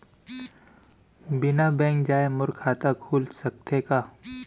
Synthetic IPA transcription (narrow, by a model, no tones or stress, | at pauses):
bɪnabɛ̃ːŋkd͡ʒaːemʊɾkʰːaːt̪akʰuːlsɐk̚t̪ʰekaː